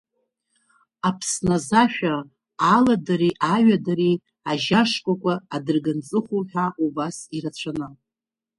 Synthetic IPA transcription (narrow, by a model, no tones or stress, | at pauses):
apʰsnazaʃᶣaː | ladaɾiʔaɥadaɾi | aʒaʂkʷʼakʷʼaːdɨrɡant͡sʼɨχʷuħʷᶣaubasirat͡ɕʷʰanɨ